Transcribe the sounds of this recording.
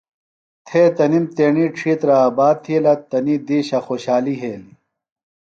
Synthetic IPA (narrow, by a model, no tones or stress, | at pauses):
t̪ʰeːt̪ɐnimt̪eːɳiːʈ͡ʂʰiːt̪ɾaːbaːd̪̚t̪ʰilɐt̪ɐnid̪iːɕɐxoːɕaːliɦeːli